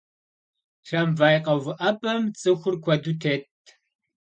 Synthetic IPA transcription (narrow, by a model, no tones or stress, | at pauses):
ʂʰɐmvaːjqɐwʊʔɐbʼɐmt͡sʼɨxʷʊrkʷʰɔdutʰeːt̚ʰ